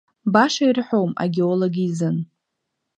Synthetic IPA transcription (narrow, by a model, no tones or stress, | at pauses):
baʂairħʷowma̰ɡʲeoloɡʲiizɨn